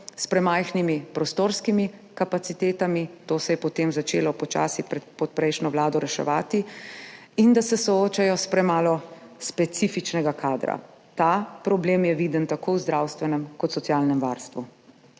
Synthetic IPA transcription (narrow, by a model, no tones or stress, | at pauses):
spɾɛmajxnimipɾɔst̪oːɾskimi | kapat̪sit̪eːt̪amit̪oːsɛjɛpɔt̪eːmzat͡ʃeːlɔpɔt͡ʃa̰ːsiɛpɔt̪̚pɾɛjʃnɔʋlaːd̪ɔɾɛʃɛ̰ʋaːt̪i | ind̪asɛsɔoːt͡ʃajɔspɾɛmaːlɔspɛt̪sifit͡ʃnɛɡakʰaːd̪ɾa̰ | t̪apɾɔbleːmjɛʋiːd̪ənt̪akoːwzd̪ɾawst̪ʋɛnɛmkɔt̪sɔt̪sjaːlnɛmʋa̰ːɾst̪ʋu